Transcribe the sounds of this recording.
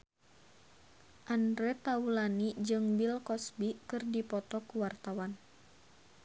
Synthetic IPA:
ʔandɾɛt̪aulanid͡ʒɨŋbilkɔsbikɨrdipɔt̪ɔkuwart̪awan

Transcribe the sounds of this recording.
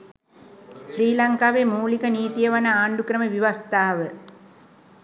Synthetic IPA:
sriːlɐŋkaːʋemuːlikɐniːt̪ijɐʋɐnɐaːɳɖukɾɐməʋiʋɐst̪aːʋə

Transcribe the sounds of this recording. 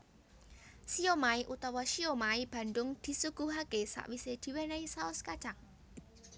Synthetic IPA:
siomaiʔut̪ɔwɔʃiomaib̥a̤nd̪ʊŋd̪̥i̤suɡ̥ṳɦakesa̰ʔwised̪̥i̤wenaisaʊskad̥ʒ̥aŋ

